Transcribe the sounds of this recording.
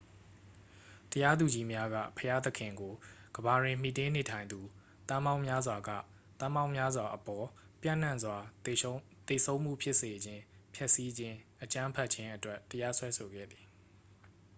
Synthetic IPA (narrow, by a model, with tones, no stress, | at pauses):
təja˦d̪u˨d͡ʑi˦mja˦ɡä̰˦˨pʰəja˦t̪əkʰɪ̃˨ŋɡo˨ɡ̥əba˨dwɪ̃˨m̥ḭ˦˨tɪ̃˦ne˨tʰã˨ɪ̃nd̪u˨ | t̪ã˦mã˦ʊ̃mja˦zwa˨ɡa̰˦˨ | t̪ã˦mã˦˨ʊ̃mja˦zwa˨ʔəpɔ˨ | pjã̰˦˨n̥ã˦˨nzwa˨ | t̪e˨sʰõ˦ʊ̃m̥ṵ˦˨pʰjɪ˦ʔse˨d͡ʑɪ̃˦pʰjɛ˦ʔsi˦d͡ʑɪ̃˦ʔət͡ɕã˦pʰɛ˦ʔt͡ɕʰɪ̃˦ʔətwɛ˦tːəja˦swɛ˦sʰo˨ɡɛ̰˦˨d̪ði̥˨